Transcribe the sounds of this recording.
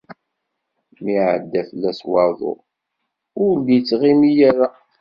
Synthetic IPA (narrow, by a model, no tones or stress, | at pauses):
miʕə̰d̪ːæflːæswɑðˤʊ̰ | ʊɾlːjt͡sːʁimijæɾa